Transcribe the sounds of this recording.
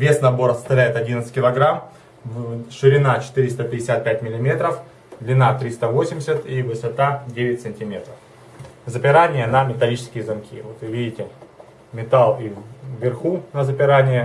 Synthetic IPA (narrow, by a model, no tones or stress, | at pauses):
vʲe̞snɐbo̞ɾəsəst̪ɐvlʲæjɪt̪ɐdʲint̪sɨ̥kʲɪlˠɐɡɾam | ʂɨɾʲɪnat͡ɕɪ̥t̪ɨɾʲɪst̪əpʲɪdʲɪsʲat̪̚pʲæt̚ʲmʲɪlʲɪmʲe̞t̪ɾəf | d̪lʲɪnat̪ɾʲist̪əvo̞sʲɪmʲɪsʲət̪ivɨsɐt̪adʲeʋʲɪtʲsɨnʲtʲɪmʲe̞t̪ɾəf | zəpʲɪɾanʲɪjənəmʲɪt̪ɐlʲit͡ɕɪ̥skʲɪjəzɐmkʲʰḭvo̞t̪ɨvʲidʲɪtʲɪ | mʲɪt̪alˠiːɪrxunəzəpʲɪɾanʲɪjə